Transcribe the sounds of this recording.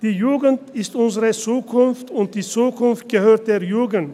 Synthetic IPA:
d̥iːjuːɡən̩tɪstʔʊnzəʁət͡suːkʰʊnftʊnt̚d̥iːt͡suːkʰʊnft̚ɡ̥əhøːɐt̚d̥eːɐjuːɡn̩t

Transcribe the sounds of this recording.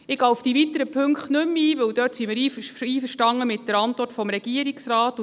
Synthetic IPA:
ɪɡaʊfd̥ivit̪ːəɾəpʰɵŋkχtnɵmiːvɵwdœːtsimɪɾiːfiːfəɾʃtɑŋːəmɪt̚d̥əɾɑntʋɔrtfɔmɾɛɡ̥iəɾiksrɑːt

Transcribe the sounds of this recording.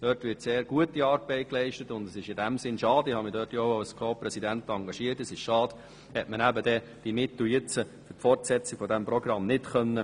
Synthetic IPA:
d̥œːtʋɪɾtseːɾɡ̥uətiɑːɾb̥ɛɪt̚klɛɪʃtətʊndəsɪʃɪdæmsɪnʃɑːdɪhɑmidøːtjoʊaskʰoːpɾɛsidænt̪ɑŋɡɑʃiətəsɪʃʃɑːd̥ | hɛtmənæbədɛ | d̥imɪt̪ljɪt͡sə | ʏtfɔrtsɛt͡siɡ̥fɔdɛmproɡrɑmnɪtχœnːə

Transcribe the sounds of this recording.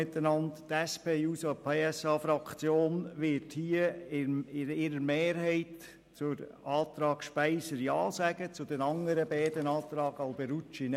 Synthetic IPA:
ɪt̪ənɑnttɛspʰeːuːsopʰeːɛsɑːfɾɑkt͡sjoːnʋɪthiːəɪɪɪɾəɾmeːɾhɛɪt | t͡sʊɾ | ɑːt̪ɾɑːɡ̥ʃpæɪsəɾjɑ̰ːsæɡ̥ət͡sʊd̥̪ɛnɑŋəɾəbɛːd̪ənɑːt̪ɾɑːɡ̥ɑlb̥ɛɾut͡ʃin

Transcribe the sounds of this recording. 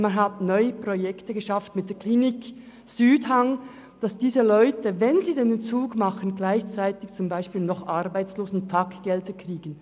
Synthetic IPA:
manɦatnɔʏəpʁojɛktəɡəʃɑftmɪt̚d̥eːɐkʰliːnɪk | syːdhaŋ | d̥ɑsd̥iːzəlɔʏtəvɛnziːdɛnɛnt͡suːɡmɑχənɡlaɪçt͡saɪtɪçt͡sʊmbaɪʃpiːlnɔχʔɑʁbaɪt͡sloːzn̩tʰɑkɡ̥ɛldəkriːɡ̥ən

